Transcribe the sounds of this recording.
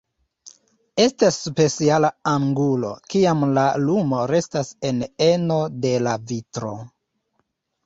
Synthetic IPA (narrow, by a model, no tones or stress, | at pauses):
e̞stasːpe̞sialaaŋɡulo̞̰kiamlalumo̞ɾe̞stase̞ne̞no̞de̞lavitɾo̞̰